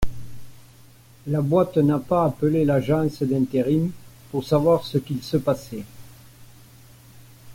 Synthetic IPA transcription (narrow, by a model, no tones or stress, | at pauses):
labwat̪napaːpəlelaʒɑ̃səd̪ɛ̃nt̪eʁimpuʁsavwaʁsəkilsəpase